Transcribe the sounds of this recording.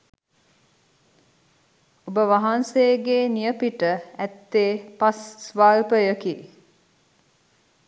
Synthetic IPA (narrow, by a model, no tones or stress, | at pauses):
obəʋaɦanseːɡeːnijəpiʈəæt̪ːeːpasːʋaːlpəjəki